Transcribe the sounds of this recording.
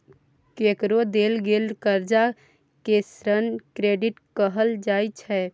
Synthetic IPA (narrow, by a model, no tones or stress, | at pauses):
kekɾod̪eːlɡeːlkəɾd͡ʒa | kesɾənkɾeːɖɪʈkəɦəld͡ʒaːit͡ʃʰɛː